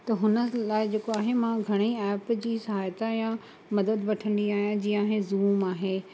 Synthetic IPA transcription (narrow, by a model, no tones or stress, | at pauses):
t̪ɐɦʊnəlaːɪd͡ʑeːkoaːɦemãɡʱɐɽ̃iɛːpd͡ʑiːsɐɦaːjt̪ajã | mɐd̪əd̪ʋɐʈʰə̃nd̪iaːɦijãd͡ʑiːãɦezuːmaːɦeː